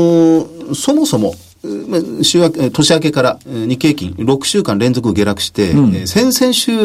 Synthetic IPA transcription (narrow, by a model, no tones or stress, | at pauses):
so̞mo̞so̞mo̞ | maɕɨːat̪o̞ɕiak̬e̞kaɾaɲ̟ike̞ːkʲḭ̃ŋɾo̞kɯ̟̥ɕɨːkãnɾẽ̞nzo̞k̬ɯ̟ɡe̞ɾakɯ̟̥ɕi̥t̪e̞sẽ̞ɰ̃sẽ̞ɰ̃ɕɨː